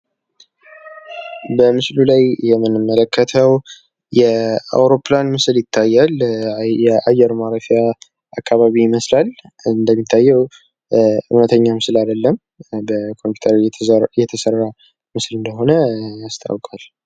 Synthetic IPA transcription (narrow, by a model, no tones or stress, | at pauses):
bəmɨslulajjɛmːɨnɨmːələkʰːət̪ʰəw | jɛa̰wɾo̞planmɨsɨljɪt̪ʰːajːaljɛʔajːɛɾmaɾəfia | akʰːaβaβiɪməslalɨnd̪əmːit̪ʰːajːɛw | ɨ̰hnət̪ʰəɲːamɨslad̪əlːəm | bəkʰo̞mpu̥t̪ʰəɾjɛt̪ʰəsərːa | mɨslɨnd̪əɦo̞nəast̪ʰa̰wkʼal